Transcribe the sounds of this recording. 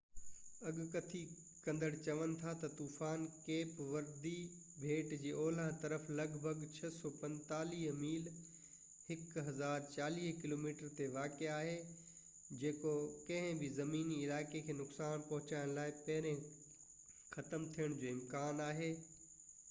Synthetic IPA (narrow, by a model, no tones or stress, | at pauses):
ɐɠkɐt̪ʰi | kɐ̃nd̪əɽt͡ɕɐʋənɪ̆t̪ʰat̪ɐt̪uːfaːnkeːpʋɐɾd̪i | bʱeːʈd͡ʑeːʔɔːlãt̪ɐɾəflɐɡbʱɐɡt͡ɕʰɐsɔːpɐ̃nt̪aːliːɦmiːl | hɪkɦɐzaːɾt͡ɕaːliːɦkɪloːmiːʈəɾt̪eʋaːkeaːɦe | d͡ʑeːkokɐ̃ɦɪ̃bʱɪzɐmiːniɪlaːɪkekʰeːnʊksaːnpɐɦʊt͡ɕaːɪɽ̃laːɪpɐɦɪɾẽ | xɐt̪əmt̪ʰijəɽ̃d͡ʑoːɪmkaːnaːɦeː